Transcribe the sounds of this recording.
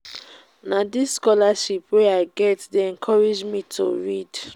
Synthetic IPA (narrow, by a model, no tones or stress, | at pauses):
nadisskɔlaʃipweaɪɡɛtdeɛ̃nkʰɔɹɛd͡ʒmitʰo̰ɹid